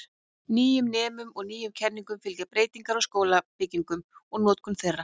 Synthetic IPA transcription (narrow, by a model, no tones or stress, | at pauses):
niːjʏmnɛːmʏmɔɣniːjʏmcʰɛnniŋkʏmfɪlcapɾeːjt̪iŋkaɾɔɣskoːwlapɪciŋkʏmɔɣnɔːt̪kʰʏmθejrːa